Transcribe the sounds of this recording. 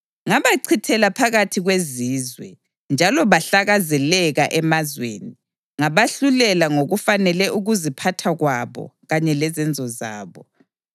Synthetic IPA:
ŋaβaǀʰitʰɛlapʰaɣatʰiɣweziːzwɛ̰ | nd͡ʒʱalɔβaɬaɣazɛlɛɣaʔɛmazwḛːni | ŋaβaɬulɛlaŋoɣufanɛlɛʔuɣuzipʰatʰaɣwaβɔ̰ɣaɲɛlɛzɛnd͡zʱɔza̰ːβɔ

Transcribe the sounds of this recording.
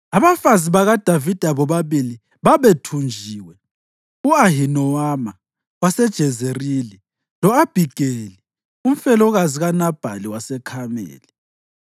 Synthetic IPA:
aβafaziβaɣad̥ʱavid̥ʱaβɔβaβili | βaβetʰund͡ʒʱiwɛ | uaɦinɔama | wasɛd̥ʒ̥ʱɛzerili | lɔab̥ʱiɡ̥ʱeli | um̩fɛlɔɣaziɣanab̥ʱa̰liwasɛkʰamḛːli

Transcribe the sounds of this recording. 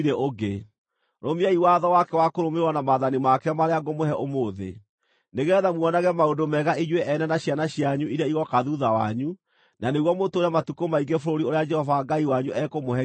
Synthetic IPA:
ɾeʔoɡe | ɾomiaiwaðɔwakɛwakoɾomeɾwanamaðanimakɛamaɾeaɡomoɦɛʔomoːðḛ | neɣɛðamwɔnaɣɛmaondomɛɣaiɲweʔɛnɛnaɕjanaɕjaɲuiɾaiɣɔkaðuðawa̰ɲu | naneɣwɔmotoːɾɛmatukomaiɡefoɾoɾioɾead͡ʒɛhɔvaɡaiwaɲuʔɛkomohɛ

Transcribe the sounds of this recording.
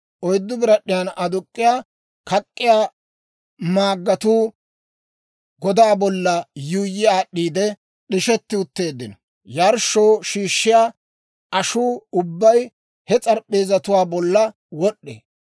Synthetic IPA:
ʔɔjd̪ːʊbɪɾɐɗɪjanɐd̪ʊkʼːɪjaː | kɐkʼːɪjaː | maːɡːɐt̪uː | ɡɔd̪aːbɔlːɐjuːjːɪaːɗːiːd̪ɛ | ɗɪʃɛt̪ːɪʊt̪ːe̞ːd̪ːɪnɔ | jɐɾʃoːʃiːʃːɪjaː | ʔɐʃuːʊbːɐj | hɛt͡sʼɐɾpʼːe̞ːzɐt̪ʊwaːbɔlːɐ | wɔɗːḛː

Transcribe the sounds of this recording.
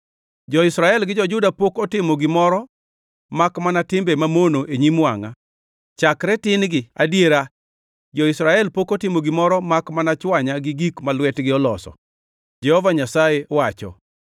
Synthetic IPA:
d͡ʒɔɪsɾaɛlɡɪd͡ʒɔd͡ʒʊdapokɔtɪmoɡɪmɔɾɔ | makmanatɪmbemamonoʔeɲimwa̰ŋa̰ | t͡ʃakɾɛtɪnɡɪadjeɾa | d͡ʒɔɪsɾaɛlpokotɪmoɡɪmɔɾɔmakmanat͡ʃwaɲaɡɪɡikmalwɛtɡɪɔlɔsɔ̰ | d͡ʒɛhɔvaɲasajeɔwat͡ʃɔ̰

